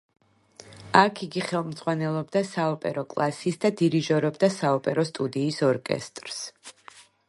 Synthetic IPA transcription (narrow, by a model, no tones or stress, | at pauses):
akʰiɡiχɛlˠmd̪z̥ʁwanɛlˠɔbd̪asaɔpʼɛɾɔkʼlˠasisd̪ad̪iɾiʒɔɾɔbd̪asaɔpʼɛɾɔst̪ʼud̪iːsɔɾkʼɛ̰st̪ʼɾs